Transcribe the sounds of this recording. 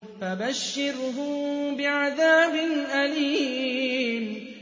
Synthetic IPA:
fabaʃːɪɾɦʊbɪʕaðaːbɪnʔaliː | m

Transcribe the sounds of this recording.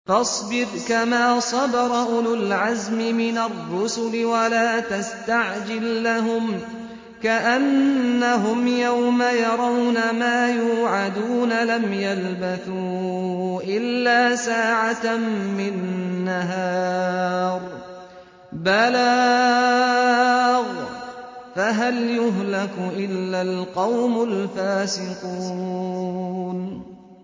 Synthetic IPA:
fɑsˤbɪɾkamaːsˤɑd̪ɑɾˤɑʔʊlʊlʕazmɪmɪnarˤːʊsʊlɪwalaːt̪ast̪aʕd͡ʒɪlːaɦʊm | kaʔanːaɦʊmjawmajɑɾˤɑwnamaːjuːʕad̪uːnalamjalbaθuːʔɪlːaːsaːʕamɪnːaɦɑː | ɾˤ | bala | ɣ | faɦaljʊɦlakʊʔɪlːalqɑwmʊlfaːsɪquː | n

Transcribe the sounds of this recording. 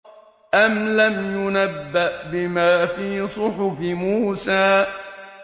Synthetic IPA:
ʔamlamjʊnabːaʔbɪmaːfiːsˤʊħʊfɪmuːsaː

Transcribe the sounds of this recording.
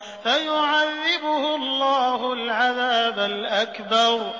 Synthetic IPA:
fajʊʕaðːɪbʊhʊlːaːhʊlʕaðaːbalʔakbɑɾˤ

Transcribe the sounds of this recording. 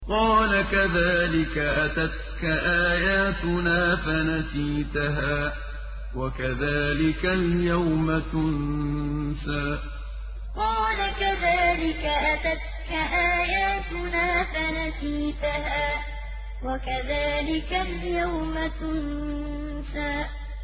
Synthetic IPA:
qɑːlakaðaːlɪkaʔat̪at̪̚kaʔaːjaːt̪ʊnaːfanasiːt̪aɦaː | wakaðaːlɪkaljawmat̪ʊn | saː | qɑːlakaðaːlɪkaʔat̪at̪̚ | kaʔaːjaːt̪ʊnaːfanasiːt̪aɦaː | wakaðaːlɪkaljawmat̪ʊn | saː

